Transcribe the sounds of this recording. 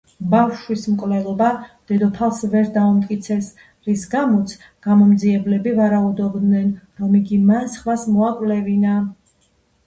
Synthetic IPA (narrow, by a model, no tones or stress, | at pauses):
bafʃwismkʼvlɛlˠɔbad̪̥ɛd̪ɔpʰalˠsvɛɾd̪aumt̪ʼkʼit̪sʰɛs | ɾisɡamɔt̪sʰ | ɡ̥amɔmd̪ziɛblɛbivaɾaud̪ɔbd̪nɛnɾɔmiɡimansχvasmɔakʼvlɛvina